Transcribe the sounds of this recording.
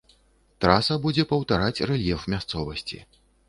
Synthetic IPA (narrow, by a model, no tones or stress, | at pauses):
t̪ɾasɐbud͡zʲɛpɐwt̪aɾat͡sʲrɛlʲjɛfmʲast̪sɔvɐsʲt͡sʲḭ